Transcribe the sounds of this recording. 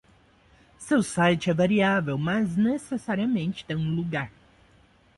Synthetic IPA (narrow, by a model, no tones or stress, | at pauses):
sewsajt͡ʃɪɛvaɾiavewmɐznesesaɾiɐmẽnt͡ʃɪ̥t̪ẽj̃ũluɡaɾ